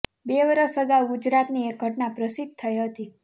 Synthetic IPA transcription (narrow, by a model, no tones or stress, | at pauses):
beʋəɾəsəɡawɡud͡ʒɾat̪niek̚ɡʱəʈnapɾəsid̪̚ʱt̪ʰəjɦət̪i